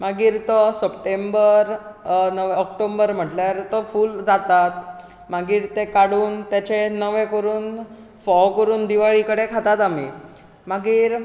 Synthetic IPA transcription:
maɡiːɾt̪ɔsəpʈembəɾnəʋẽɔkʈombəɾm̤əʈljaɾt̪ɔfuːld͡zat̪at̪ | maɡiːɾt̪ekaɽuːnt̪jat͡ɕenəʋẽkəɾuːn | fɔwkəɾuːnd̪iʋaɭikəɽekʰat̪at̪ami | maɡiːɾ

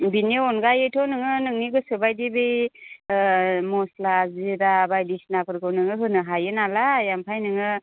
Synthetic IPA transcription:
bineɔnɡajetʰɔnɯŋɯnɯŋniɡɯsɯbajdibej | mɔslaziɾabajdisnapʰɯɾɡɯwnɯŋɯɦɯnɯɦajɯnalajampʰajnɯŋɯ

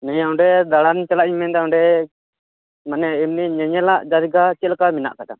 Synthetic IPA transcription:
nɛɦawɳɖɛd̪aɽant͡ʃalaʔɲmɛnd̪aw̃ɳɖɛ | manɛimniɲɛɲɛlaʔd͡ʒad̪iɡat͡ʃɛlkamina̰ʔkaɗa̰n

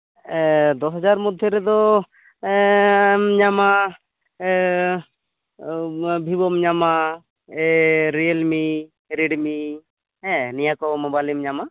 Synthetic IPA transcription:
ɛd̪ɔsɦɔd͡ʒaɾmɔd̪ʱjɔɾɛd̪ɔ | mɲama | bʱibɔmɲama | ɛɾielmi | ɾiɖmi | ɛ̃nijakɔmɔbalimɲama

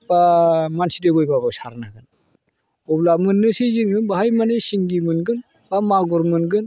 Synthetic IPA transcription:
b̥amansidebɔjbabɯsaɾnaɡɯn | ɔblamɯnːɯsiziŋɯnbaɦajmanesiŋɡimɯnɡɯn | b̥amaɡɔɾmɯnɡɯn

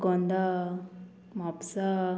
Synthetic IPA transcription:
kond̪a | mapsa

